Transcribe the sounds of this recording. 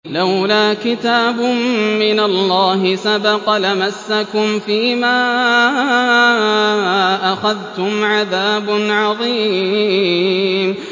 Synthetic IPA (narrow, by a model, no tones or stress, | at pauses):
lawlaːkɪt̪aːbʊːɪnalːɑːɦɪsabɑqlamasːakʊmfiːmaː | ʔaxaðt̪ʊmʕaðaːbʊnʕɑðˤiː | m